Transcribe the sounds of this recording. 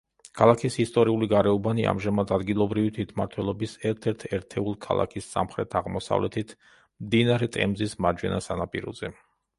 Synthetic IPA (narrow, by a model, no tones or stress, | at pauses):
kʰalˠakʰisist̪ʼɔɾiuliɡaɾɛɔbaniʔa̰mʒamad̪ad̪ɡilˠɔbɾivit̪ʰwit̪ʰmaɾt̪ʰwɛlˠɔbisɛɾt̪ʰɛɾt̪ʰɛɾt̪ʰɛulˠkʰa̰lˠa̰kʰisːa̰mχɾɛt̪ʰaʁmɔsa̰vlɛt̪ʰit̪ʰ | mmd̪inaɾɛt̪ʼɛ̰mzismad͡ʒwɛ̰nasanapʼḭɾɔ̰zɛ